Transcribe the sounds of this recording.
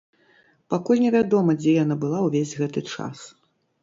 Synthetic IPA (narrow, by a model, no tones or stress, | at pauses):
pakulʲnʲɛvʲad̪ɔmɐd͡zʲɛjanabɨlˠawvʲezʲɣɛt̪ɨt͡ʂa̰s